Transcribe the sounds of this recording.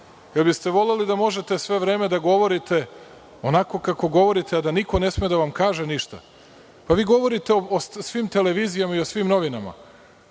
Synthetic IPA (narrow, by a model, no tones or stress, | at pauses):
jelbist̪e̞ʋo̞le̞lid̪amo̞ʒe̞t̪e̞sʋe̞ʋɾe̞ːme̞d̪aɡo̞ʋo̞ɾit̪e̞ | o̞nako̞kako̞ɡo̞ʋo̞ɾit̪ʰead̪aniko̞ne̞smije̞d̪aʋamkaːʒe̞niʃt̪a̰ | paʋiːɡo̞ʋo̞ɾit̪e̞oosʋiːmt̪e̞le̞ʋiːzijamaiosʋimno̞ʋinama̰